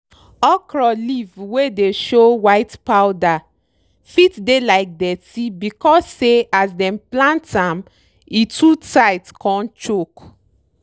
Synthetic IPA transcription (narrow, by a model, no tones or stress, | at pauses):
ɔkɹɔlivwedeʃowaɪtpawda | fitdelaɪk̚dɛtibikɔsːeasdɛ̃mplãntãm | itutajtkɔ̃nt͡ʃok